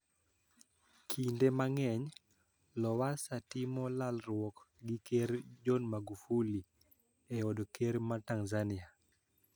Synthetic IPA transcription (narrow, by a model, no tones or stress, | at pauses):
kʰindemaŋɛɲ | lɔwasatimɔlalɾwɔkɡɪkeɾd͡ʒɔnmaɡufuli | ɛɔdokeɾmataŋzania